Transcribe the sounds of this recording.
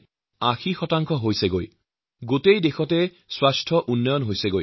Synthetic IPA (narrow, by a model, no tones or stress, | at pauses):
axʰixɔtaŋkʰɔɦojseɡoj | ɡotejd̪exʰɔte | swasʈʰɔʔunːɔjɔnɦojseɡoj